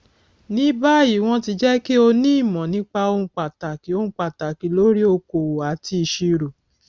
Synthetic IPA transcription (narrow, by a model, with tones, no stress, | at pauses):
nĩ˨˦ba˦i˦˨w̃ɔ̃˧˦ti˧d͡ʒɛ˦ke˦o˧nĩ˦˨mɔ̃˨nĩ˨˦k͡pa˧o˧ũ˧k͡pa˨ta˨ki˨˦o˧ũ˧k͡pa˨ta˨ki˨˦lo˦ɾi˦o˧ko˨wo˨a˨˦ti˧ʃi˧ɾo˨